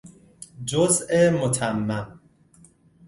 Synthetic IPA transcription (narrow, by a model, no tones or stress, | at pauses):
d͡ʒozemot̪ʰæmːæm